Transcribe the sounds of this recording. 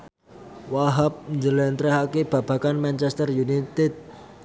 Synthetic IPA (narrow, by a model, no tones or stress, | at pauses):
waɦap̚ɲd͡ʒəlɛnt̪ɾɛɦakeb̥a̤b̥a̤kanmant͡ʃɛst̪ərjunit̪ɛd̪̚